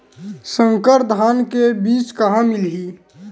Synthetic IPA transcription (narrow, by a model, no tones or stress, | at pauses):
sə̃ŋkəɾd̪ʱaːnkebiːt͡ʃkɐɦãmɪlɦiː